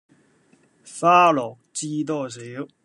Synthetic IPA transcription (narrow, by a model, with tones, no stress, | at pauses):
fa˥lɔ˨˩k̚t͡ɕi˦t̪̬ɔ˥˩si˨˧˦